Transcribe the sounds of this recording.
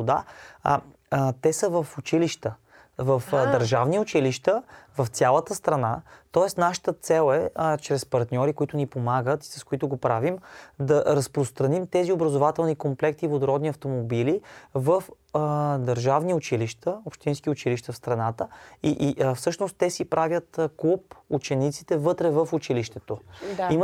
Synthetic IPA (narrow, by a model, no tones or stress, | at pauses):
d̪a | t̪ɛsəvəfʊt͡ʃiliʃt̪ə | vəfd̪ɐɾʒavniʊt͡ʃiliʃt̪əvɐft̪sʲjalˠət̪əst̪ɾɐnat̪ɔɛsnaʃə̥t̪ət̪sɛlˠɛt͡ʃɾɛspɐɾt̪nʲɔɾikoit̪ʊnipomaɡət̪i̥sɐskoit̪ʊɡopɾavimd̪ɐɾəspɾost̪ɾɐnimt̪ɛziobɾɐzovat̪ɛlˠnikomplɛk̚t̪ivod̪oɾɔd̪niɐft̪omobilivəf | d̪ɐɾʒavniʊt͡ʃiliʃt̪əopʃt̪inskiʊt͡ʃiliʃt̪əfst̪ɾɐnat̪əiʔfsɤʃnost̪ːɛsipɾavʲjət̪klˠuput͡ʃɛnit̪si̥t̪ɛvɤt̪ɾɛvəfʊt͡ʃiliʃt̪ɛt̪oim